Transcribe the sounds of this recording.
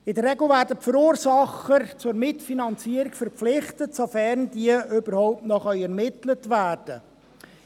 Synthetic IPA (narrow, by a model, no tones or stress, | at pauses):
ɪdəɾːɛɡl̩ˠvæːɾdəpfəɾuːɾsɑχət͡sʊɾmɪtfinɑnt͡siəɾɪkfəɾpflɪχtətsofɛɾnd̥iəʏbəɾhɔʊp̚tnɔχœʏɛɾmɪtlətvæːrd̥ə